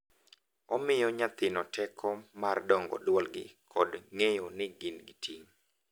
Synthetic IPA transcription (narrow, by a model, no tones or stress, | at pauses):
ɔmɪjɔɲat̪ɪnɔtʰɛkʰɔmardɔŋɡɔ̰dwɔlɡɪkʰɔdŋejonɪɡɪnɡɪtʰiŋ